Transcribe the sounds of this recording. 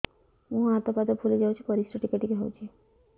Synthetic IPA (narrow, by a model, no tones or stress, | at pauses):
mũɦat̪ɔpad̪ɔpʰulid͡ʒawt͡ʃʰikɔɾisʈɔʈikeʈikeɦɔwt͡ʃʰi